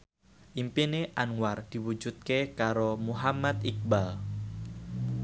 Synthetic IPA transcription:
ʔimpineʔanward̥i̤wud͡ʒut̪̚kekaɾomuɦamat̪ik̚bal

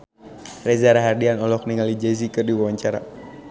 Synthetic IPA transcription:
rezaɾaɦardianɔlɔk̚niŋalid͡ʒɛz̬ikɨrdiwawaɲt͡ʃaɾa̰

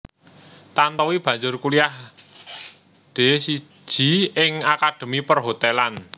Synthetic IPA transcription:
t̪ant̪ɔwib̥ä̤ɲd͡ʒʊrkuliah | ɖ̪̥e̤si̥ | d͡ʒ̥i̤ɪŋakad̪̥ə̤mipərɦot̪ɛlan

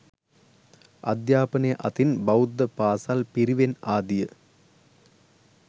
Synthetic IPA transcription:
ɐ̰d̪jaːpɐnejʔɐt̪inbɐud̪ːɐpaːsalpiɾiʋenaːd̪ijə

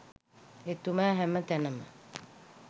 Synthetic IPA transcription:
et̪umaːɦɛmət̪ænəmə̰

